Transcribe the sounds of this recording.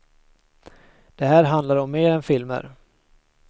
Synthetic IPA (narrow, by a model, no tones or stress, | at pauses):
d̪̥ɛɦæːɾɦand̪laɾɔmːeːɾɛnfɪlmə̰ɾ